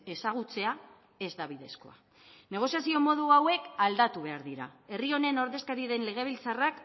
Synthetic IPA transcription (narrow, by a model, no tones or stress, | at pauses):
e̞saɣ̞ut͡se̞a | e̞zd̪aβ̞iðe̞̰sko̞̰a̰ | ne̞ɣ̞o̞sijasio̞mo̞ð̞uawe̞kald̪at̪uβ̞e̞aɾðiɾa̰e̞rio̞ne̞no̞ɾðe̞skaɾiðe̞nle̞ɣ̞e̞β̞ilt͡sarak